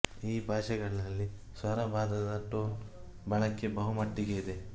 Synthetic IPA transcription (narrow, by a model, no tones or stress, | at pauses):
iːbʱaːʃɐɡɐɭɐlːi | sʋɐɾɐbʱaːd̪ɐd̪ɐʈoːn | bɐɭɐkːe̞bɐɦumɐʈːiɡe̞id̪e̞